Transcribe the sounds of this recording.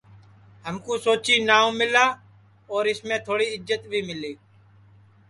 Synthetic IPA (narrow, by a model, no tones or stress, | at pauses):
ɦəmkũːsoːt͡ʃiːnaːõːmɪlaː | ɔːɾɪsmẽːt̪ʰoːɽiːɪd͡ʒət̪ʋiːmɪliː